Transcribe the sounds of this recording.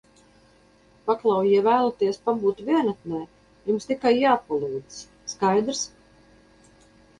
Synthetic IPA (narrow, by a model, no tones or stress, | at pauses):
paklˠɑwjɛvæːlˠat̪iɛspabuːt̪vʲiɛnat̪nɛː | jumst̪ikajːaːpalˠuːd̪z̥s | skajd̪ɾs